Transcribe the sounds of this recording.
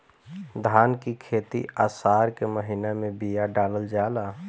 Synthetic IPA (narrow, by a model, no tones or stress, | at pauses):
d̪ʱaːnkikʰet̪ḭʔasaːɾkeməɦinamebijaɖaːləld͡ʒala